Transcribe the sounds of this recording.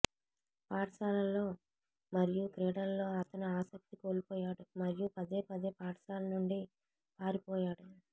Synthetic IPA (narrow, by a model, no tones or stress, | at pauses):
paːʈɐsaːlɐlo̞ː | mɐɾijukɾɛːɽɐlːo̞ːɐt̪ɐnuaːsɐk̚t̪ikoːlipɔːjaːɽumɐɾijupɐd̪e̞ːpɐd̪e̞ːpaːʈsaːlɐnuɳɖi | paːɾipɔːjaːɽu